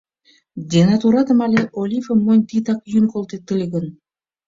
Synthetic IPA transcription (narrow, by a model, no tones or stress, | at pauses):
d̪ʲenɑt̪uɾɑt̪ə̆mɑlʲeʔolʲifəmonʲt̪it̪ɑkjynkolˠt̪et̪ɨlʲɡə̆n